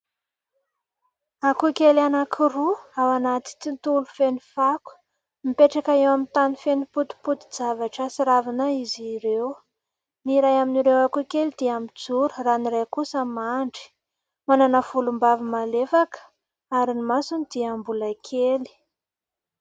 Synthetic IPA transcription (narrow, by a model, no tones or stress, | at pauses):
akukelanakʰiɾuawanat̪i̥t̪int̪ulufenifaku̥ | mipeʈ͡ʂakaewamint̪anifeniput̪i̥put̪i̥d͡zavaʈ͡ʂasiɾavinaiziɾew | niɾajaminiɾewakukelid̪̥iamid͡zuɾuraniɾajkusəmaɳɖ͡ʐi̥ | mananav̥ulumbavimalefakə̥ | aɾinimasunid̪̥iambulakʰeli̥